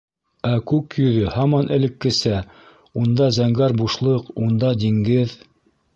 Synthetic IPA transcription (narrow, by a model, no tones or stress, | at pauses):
ækʉkjɵ̆ðɵhɑmɑnʔɘ̆lɘ̆kːɘ̆sæ | und̪ɑzæŋɡæɾbuʃlˠɤqund̪ɑd̪iŋɡɘð